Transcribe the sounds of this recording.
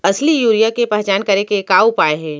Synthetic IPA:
ɐslijuːɾijakepɛɦt͡ʃaːnkɐɾekekaːupaːeɦɛ̃ː

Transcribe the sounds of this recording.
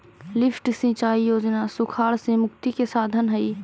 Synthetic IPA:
lɪpʰʈsɪ̃t͡ʃaːijoːd͡ʒnasʊkʰaːɭsẽmʊkt̪ikesaːd̪ʱənɦəi

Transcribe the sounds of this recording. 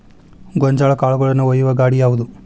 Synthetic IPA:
ɡɔɲd͡ʒaːɭɐkaːɭuɡɐɭɐnːuʋɐjuʋɐɡaːɽijaːʋud̪u

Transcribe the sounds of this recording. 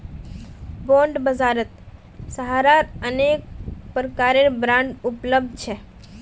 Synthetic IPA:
bõɳɖbəzaːɾət̪̚ | səɦaːɾaɾənek̚pɾəkaːɾeɾbɾãɳɖʊpləb̚d̪̚ʱt͡ʃʰe

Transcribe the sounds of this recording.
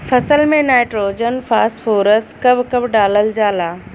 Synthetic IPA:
fɐsəlmẽnaːɪʈɾoːd͡ʑənfʰaːsfoːɾəskɐbʱkɐbʱɖaːləld͡ʒaːlaː

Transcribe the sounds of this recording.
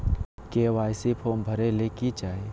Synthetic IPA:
keːʋaːɪsipʰoːmbʱəɾelekit͡ʃaːe

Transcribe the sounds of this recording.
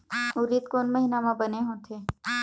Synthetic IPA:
ʊɾiːt̪̚koːnmɐɦinamãbɐneɦot̪ʰeː

